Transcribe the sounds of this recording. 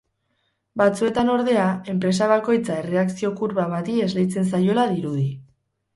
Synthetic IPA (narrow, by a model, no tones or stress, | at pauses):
bat͡sue̞t̪ano̞ɾðe̞ae̞mpɾe̞s̬aβ̞ako̞jt͡sae̞re̞aksio̞kuɾβaβat̪ie̞zle̞jt͡se̞ns̬ajo̞laðiɾuði